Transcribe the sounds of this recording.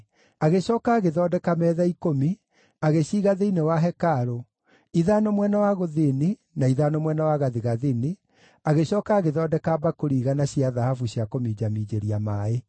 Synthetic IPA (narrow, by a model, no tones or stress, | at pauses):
aɣeɕɔːkaːɣeðɔːdɛkamɛːðaikomi | aɣeɕiːɣaðeinewaɦɛkaɾo | iðanɔmwɛnawaɣoðini | naiðanɔmwɛnawaɣaðiɣaðini | aɣeɕɔːkaːɣeðɔːdɛkabakoɾiːɣanaɕiaðahafuɕjakomid͡ʑamiːd͡ʑeɾiamaːe